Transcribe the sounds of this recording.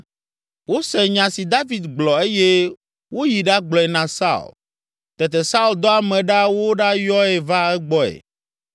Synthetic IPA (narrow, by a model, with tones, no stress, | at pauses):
wo˦sɛ˨ɲã˨si˨d̪a˦vi˨d̪ɡ͡blɔ˨e˦je˦ | wo˦ji˨ɖa˦ɡ͡blɔ˨ɛ˨nã˨sa̰˦ṵ˨l | t̪ɛ˨t̪ɛ˨sa˦u˦˨ld̪ɔ˦a˨mɛ̃˨ɖa˦wo˦ɖa˦jɔ˦e˨va˦ɛ˦ɡ͡bɔ˦ḛ˨